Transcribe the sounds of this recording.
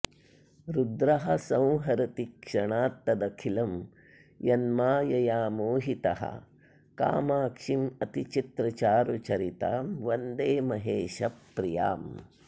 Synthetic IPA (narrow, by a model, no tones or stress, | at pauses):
ɾud̪ɾɐɦɐsɐ̃w̃ɦɐɾɐt̪ikʂɐɳaːt̪ːɐd̪ɐkʰilɐm | jɐnmaːjɐjaːmoːɦit̪ɐɦɐ̰ | ka̰ːmaːkʂimɐt̪it͡ʃit̪ɾɐt͡ʃaːɾut͡ʃɐɾit̪a̰ːmʋɐnd̪eːmɐɦeːʃɐpːɾija̰ːm